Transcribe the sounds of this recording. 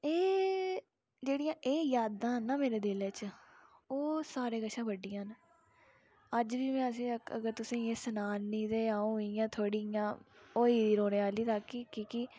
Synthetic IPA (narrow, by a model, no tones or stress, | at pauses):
eː | d͡ʒeːɽijãːʔeːjaːd̪ãːɦənːaːmeːɾeːd̪ɪleːt͡ʃ | oːsaːɾeːɡəʃʰãːbəɖijãːn | əd͡ʒʋiːmɛ̃ːəsĩːəkʰːə̰ɡəɾt̪ʊsĩːeːsənaːnːĩːt̪eːaːũːɦijãːt̪ʰoːɽijãːoːiːiːɾoːneːaːliːt̪aːkːiːkiːki